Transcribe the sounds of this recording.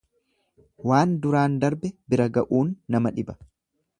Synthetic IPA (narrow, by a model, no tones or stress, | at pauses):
waːnd̪ʊɾaːnd̪ɐɾbɛbɪɾɐɡɐʔuːnːɐmɐᶑɪbɐ̥